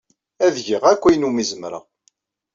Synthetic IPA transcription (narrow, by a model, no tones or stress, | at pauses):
æðʝiʁækʷːæjnumizəmɾa̰